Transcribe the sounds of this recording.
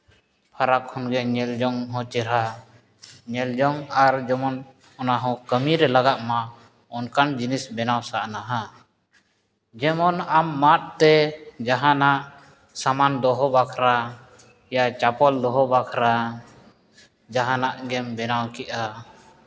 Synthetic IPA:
pʰaɾakhɔnɡɛɲɛld͡ʒɔŋɦɔ̃t͡ʃɛɾa | ɲɛld͡ʒɔŋaɾd͡ʒɛmɔn | ɔnaɦɔ̃kəmiɾɛlaɡaʔ̪ma | ɔnkand͡ʒinisbɛnawsaʔnaɦa | d͡ʒɛmɔnamːat̪̚t̪ɛd͡ʒaɦanaʔ | samand̪ɔɦɔbakʰɾa | jat͡ʃapɔld̪ɔɦɔbakʰɾa | d͡ʒaɦanaʔɡɛmbɛnawkɛʔa

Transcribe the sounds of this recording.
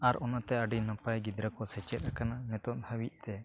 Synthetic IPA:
aɾɔnat̪ɛəɖinəpajɡid̪ɾakɔsɛt͡ʃɛt̪̚ɾakananɛt̪ɔt̪hawiʔ̚t̪ɛ

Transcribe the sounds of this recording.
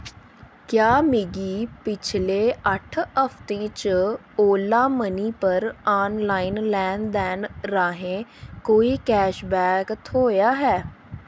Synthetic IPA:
kjaːmɪɡiːpɪt͡ʃʰleːəʈʰəpʰt̪ẽːt͡ʃə | oːlãːməniːpəɾaːnlaːɪnlɛːnd̪ɛːnɾaːɦẽːkoːiːkɛːʃbɛːkt̪ʰoːjaːɦɛː

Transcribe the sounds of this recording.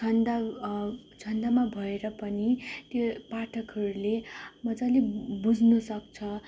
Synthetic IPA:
ʌnd̪a | d͡zʰʌnd̪amabʱʌeɾʌpʌnit̪jopaʈʰʌkɦʌɾulemʌd͡zalebud͡zʱnʌsʌkt͡sʰʌ

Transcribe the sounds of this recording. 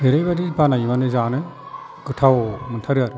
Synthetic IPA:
beɾejbadibanajmanɯzanɯ | ɡɯtʰawmɯntʰaɾɯaɾ

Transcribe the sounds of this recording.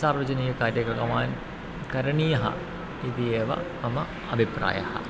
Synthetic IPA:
saːrʋɐd͡ʑɐniːɐkaːɾjɐkɐkɐmaːn | kɐɾɐɳijɐɦɐ̰ | id̪ijeːʋɐ̰mɐmɐ | ɐbʱipra̰ːjɐ̰hɐ̰

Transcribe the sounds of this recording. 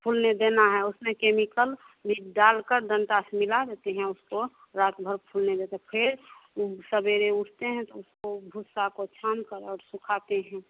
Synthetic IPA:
pʰulned̪enaɦɛʊsmẽkemikəl | liɖalkəɾd̪ənʈasmɪlad̪et̪eɦɛ̃ʊsko | ɾat̪bʱəɾpʰulned̪et̪epʰɪɾ | səbeɾeʊʈʰt̪eɦɛ̃t̪ɔʊskobʱusakot͡ʃʰaːnkəɾɔːɾsʊkʰat̪eɦɛ̃

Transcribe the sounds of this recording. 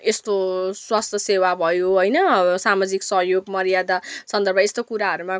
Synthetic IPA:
est̪oswast̪ʰʌsewabʱʌjoɦojnʌsamad͡ziksʌɦjoɡmʌɾijad̪asʌnd̪ʱʌrbʱʌest̪okuɾaɦʌɾumã

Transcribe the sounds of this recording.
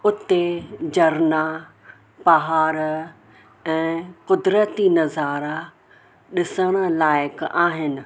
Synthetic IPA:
ʊt̪ed͡ʑɐɾna | pɐɦaːɾ | ɛ̃ːqʊd̪ɾət̪inɐzaːɾa | ɗɪsəɽ̃ə̆laːɪkaːɦɪnɪ̆

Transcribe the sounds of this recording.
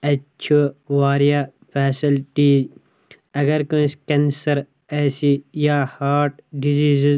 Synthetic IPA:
ɐːt͡ʃʰuʋaːɾijapʰɛːsilʈiː | ɐɡɐɾkoĩskẽnsɐɾ | eːsijaːhaːɾʈ̚ɖiziːzi

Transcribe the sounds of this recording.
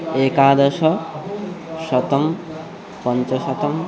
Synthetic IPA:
ekad̪ʌsʌ | sʌt̪ʌm | pʌnt͡sʌsʌt̪ʌm

